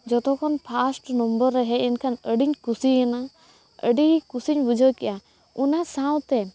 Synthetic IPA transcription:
d͡ʒɔt̪ɔkʰɔnpʰasʈnɔmbəɾːɛɦɛɛnkʰanəɖiɲkusiɛna | ə̰ɖikusiɲbud͡ʒʱəkɛʔa | unasãwt̪ɛ

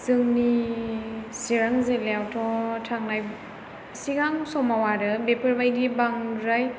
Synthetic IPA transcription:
sɯŋni | siɾaŋzeleawtʰɔtʰaŋnaj | siɡaŋsɔmawaɾɯbepʰɯɾbajɡibaŋɾaj

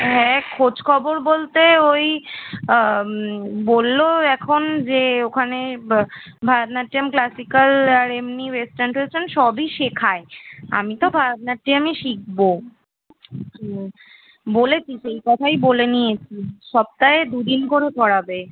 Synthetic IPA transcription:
ɦɛkʰod͡ʑkʰɔboɾbolt̪eoj | bolːoɛkʰond͡ʑeokʰane | bʱaɾt̪naʈːiamklasikalaɾemniwesʈanʈot͡ɕʰenʃɔbiʃekʰaea̰mit̪obʱaɾt̪̚naʈ̚ʈːiamiʃik̚bo | bolet͡ɕʰiʃejkɔt̪ʰajbolenijet͡ɕʰiʃɔb̚t̪aed̪ud̪inkoɾepɔɽabe

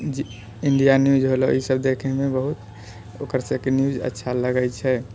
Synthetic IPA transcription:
d͡ʒ | iɳɖijanjud͡ʒɦoloisəb̚d̪ekʰɛmebəɦut̪ | oːkəɾsekenjud͡ʒə̰tːʃʰaləɡəjt͡ʃʰɛ

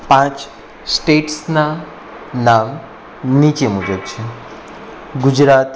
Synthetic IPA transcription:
pãt͡s | sʈeʈsna | nam | nit͡ɕemud͡zətːt͡ɕʰe | ɡud͡ʑɾat̪

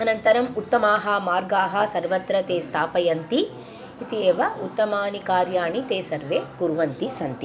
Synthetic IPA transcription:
ɐnɐnt̪ɐɾɐmut̪ːɐmaːɦɐmaːɾɡaːɦɐ̆sɐɾʋɐt̪ɾɐt̪eːst̪ʰaːpɐjɐnt̪i | it̪ieːʋɐut̪ːɐmaːnikaːɾjaːɳit̪eːsɐɾʋeːkuɾʋɐnt̪isɐnt̪i

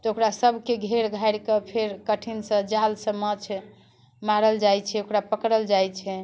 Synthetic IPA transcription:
t̪ɔokɾasəbʱkeɡʱeɾɡʱajɾkepʰeɾkəʈʰinsə̃d͡ʒalsə̃mət͡ʃʰ | maɾəld͡ʒajt͡ʃʰɛokɾapəkɾəld͡ʒajt͡ʃʰɛ

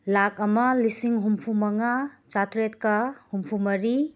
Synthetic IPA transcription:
lakɐmɐlisiŋɦumpʰumɐŋat͡ʃatɾet̚kɐhumpʰumɐɾi

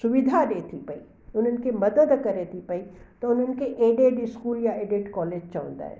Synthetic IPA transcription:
sʊʋɪd̪ʱaɗet̪ʰipɐi | ʊn̤ənɪ̆kʰemɐd̪əd̪kɐɾet̪ʰipɐit̪ɐʊn̤ənɪ̆kʰeʔeːɖeɖɪskuːljaeːɖɪʈkɔːleːd͡ʑt͡ɕɐʋə̰̃nd̪a̰ːɦɪ

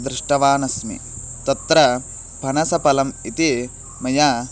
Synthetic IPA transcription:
d̪ɾɪʂʈɐʋaːnɐsmḭ | t̪ɐt̪ɾɐ | bʱɐnɐsɐpɐlɐmit̪i | mɐja

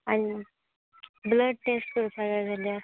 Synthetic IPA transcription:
añi | bləɖ̚ʈeskəɾupaɡad͡zʱala

